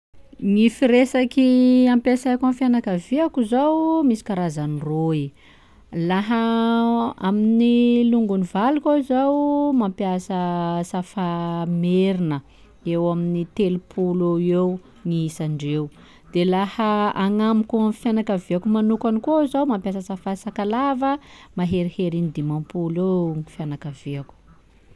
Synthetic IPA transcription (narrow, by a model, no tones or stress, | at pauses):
ŋifiɾesakiampesakamfjanakaviakuzawmisi̥kaɾazaniroi | laɦə | aminiluŋɡunivalukʲazawmampiasəsafameɾinə | ewaminit̪elupʰuleew | ŋiisaɳɖ͡ʐew | d̪̥elahəaŋamikʲuamfjanakaveakumanukanikozawmampjasəsafasakalavəmaɦeɾiheɾinid̪imampulewŋifjanakaveaku̥